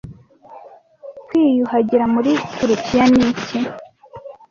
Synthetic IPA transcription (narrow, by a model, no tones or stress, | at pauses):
kwiːjuhaɟiɾamuɾitʰuɾukʰijanici